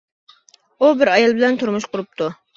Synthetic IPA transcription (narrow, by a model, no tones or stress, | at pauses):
ubɪɾɑjɑlˠbɪlɛnt̪ʰuɾmuʃqʰʊɾup̚t̪ʰu